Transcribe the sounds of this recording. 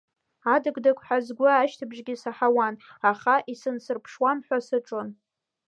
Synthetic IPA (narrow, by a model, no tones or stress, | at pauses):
adɨɡʼdakʷʰʼħazɡʷʊːʃtʰɨbʒɡʲisaħawanaχaʔisɨnsɨrpʰʂwamħʷasɨʈ͡ʂʼon